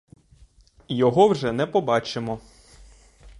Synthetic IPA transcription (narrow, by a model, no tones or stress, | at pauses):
jɔɦɔwʒɛnɛpɔbɑt͡ʃemɔ